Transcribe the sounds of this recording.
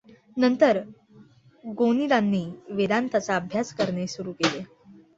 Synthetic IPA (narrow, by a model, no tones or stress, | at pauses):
nənt̪əɾ | ɡonid̪ãnːiːʋed̪ant̪ʰat͡saəbʱjaskəɾɳesuɾuːkele